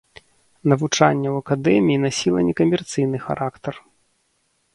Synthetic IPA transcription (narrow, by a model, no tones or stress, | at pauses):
nɐvut͡ʂa̰nʲːɐwɐkad̪ɛmʲiːnasʲilˠɐ̰nʲɛkɐmʲɛrt̪sɨjn̪ɨxa̰ɾakt̪ɐr